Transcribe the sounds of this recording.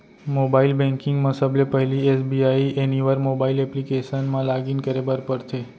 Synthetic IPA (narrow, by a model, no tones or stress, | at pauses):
mobailbɛ̃ŋkɪ̃ŋɡmãsəblepəɦɛliesbiaiʔeniʋəɾmobailɛplikeʃənmãlaɡinkəɾebəɾpəɾt̪ʰe